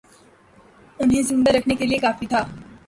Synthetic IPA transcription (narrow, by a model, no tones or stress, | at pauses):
ʊnɦẽzɪ̃nd̪aɾɐkʰnekeliekaːfit̪ʰaː